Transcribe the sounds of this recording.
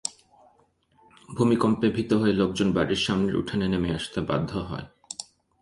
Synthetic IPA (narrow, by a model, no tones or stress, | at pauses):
bʱumikompebʱit̪oɦoelok̚d͡ʑonbaɾiɾʃamneɾṵʈʰanenemeaʃt̪eba̰d̪ʱːoɦɔ̰e